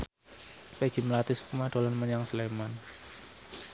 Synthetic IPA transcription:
peɡ̥iməlat̪ɪskumad̥o̤lanməɲaŋsleman

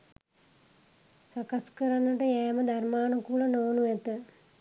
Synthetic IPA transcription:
sakaskəɾanːəʈəjæːməd̪armaːnukulanoːnuʋɛt̪ə

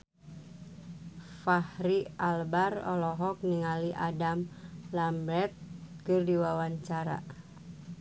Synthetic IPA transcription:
fahɾialbarɔ̰lɔɦɔk̚niŋaliʔadamlambɾɛt̪̚kɨrdiwawaɲt͡ʃaɾa̰

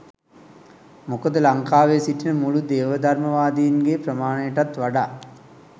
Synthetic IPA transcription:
mukəd̪əlaŋkaːʋesiʈinəmulud̪eːʋəd̪ʱaɾməʋaːd̪ijinɡepɾəmaːnəjəʈat̪ʋaɖaː

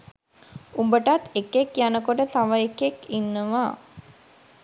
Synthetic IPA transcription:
umbəʈat̪ekekjanəkoʈət̪aʋəekekinːəʋaː

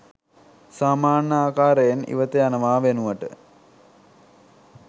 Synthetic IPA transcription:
saːmaːnəaːkaːɾejenḭʋət̪ejanəʋaːʋenuʋəʈə̰

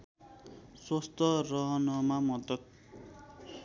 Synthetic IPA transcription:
swost̪ʌrʌɦʌnʌmamʌd̪ʌt̪̚

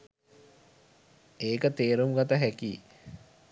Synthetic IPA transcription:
eːkət̪eːɾumɡat̪əɦæki

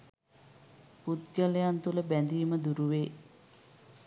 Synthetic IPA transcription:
put̪ɡələjant̪uləbænd̪iːməd̪uɾuʋeː

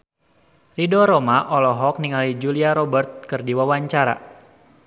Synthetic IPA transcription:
ridɔɾomaʔɔlɔɦɔk̚niŋalid͡ʒuliaɾɔbərt̪̚kɨrdiwawaɲt͡ʃaɾa̰

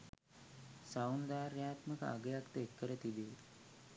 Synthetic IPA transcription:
sawnd̪aːɾjaːt̪məkə̰a̰ɡəjakt̪əekːəɾət̪ibe

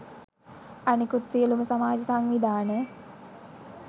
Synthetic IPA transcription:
anikut̪sijəluməsamaːd͡ʒəsaŋʋid̪aːnə

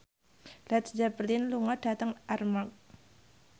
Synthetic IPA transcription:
lat̪sd͡ʒabəlɪnluŋɔd̥at̪əŋarmak̚

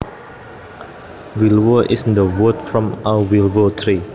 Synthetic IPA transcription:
wilwəʔɪsndəwədfɹɔ̃mawəwilwətʰɹi

